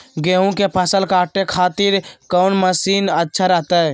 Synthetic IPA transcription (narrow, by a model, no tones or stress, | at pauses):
ɡeɦũkepʰəsəlkaːʈːekʰaːt̪iɾkəʊnməsiːnətːʃʰaɾɛɦt̪ə